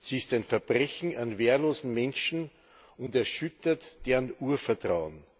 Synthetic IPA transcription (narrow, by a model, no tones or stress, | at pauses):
siːstæɪnfɛɐb̥ʁɛçn̩anveːɐloːzn̩mɛnʃn̩ | ʊndɛɐʃʏtɐtd̥eːʁənuːɐfɛɐtʁ̥aʊən